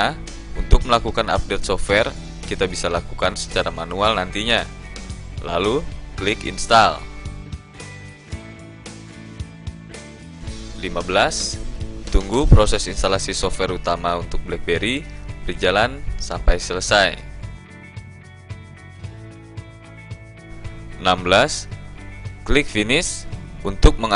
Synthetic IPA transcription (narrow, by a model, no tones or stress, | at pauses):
a | unt̪ʊk̚məlakukana̰p̚dɛt̪sɔfwɛr | kit̪abisalakukansə̥t͡ʃaɾamanualnant̪iɲa | la̰luklɪkḭnst̪al | limabəlast̪uŋɡupɾosɛsinst̪alasisɔfɛrut̪amaunt̪ʊk̚bəlɛk̚beɾibərd͡ʒalansampajsələsaj | ənambəlas | klɪk̚finɪsunt̪ʊk̚məŋa